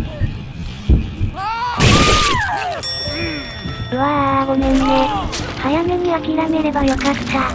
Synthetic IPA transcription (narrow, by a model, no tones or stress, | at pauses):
βaːɡomenːehajame̞ɲiakʲiɾame̞ɾe̞bajo̞kat̪ʰːa